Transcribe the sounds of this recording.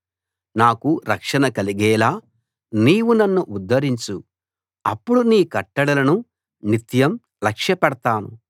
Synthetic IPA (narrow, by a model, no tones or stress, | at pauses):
naːkuɾɐkʂɐnɐkɐliɡɛːlaː | niːwunɐnːuʔud̪ːɐɾiɲt͡ʃu | ɐ̰pːuɽuniːkɐʈːɐɽɐlɐnu | nit̪jɐm | lɐkʂjɐpɛɽɐt̪aːnṵ